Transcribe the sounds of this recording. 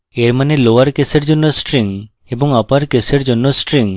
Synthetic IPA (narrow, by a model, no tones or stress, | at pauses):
eɾmaneloaɾkeseɾd͡ʑonːosʈɾiŋ | eboŋapaɾkeseɾd͡ʑonːosʈɾiŋ